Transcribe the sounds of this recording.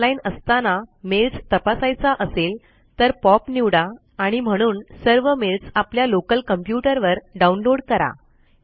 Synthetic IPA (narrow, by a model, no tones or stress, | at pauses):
lainəst̪anameld͡zt̪əpasajt͡saʔəsel | t̪əɾpɔpniʋɽaː | ɽ̃im̤əɽ̃uːnsəɾʋəmelt͡sapljalokəlkəmpjuʈəɾʋəɾɖaunloɽkəɾa̰